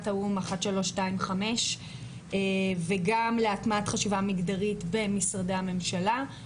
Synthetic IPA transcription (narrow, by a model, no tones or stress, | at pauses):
taumaχatʃalo̞ʃtaimχame̞ʃ | eveɡamleatmatχaʃivamiɡdaʁitbe̞misʁadehame̞mʃala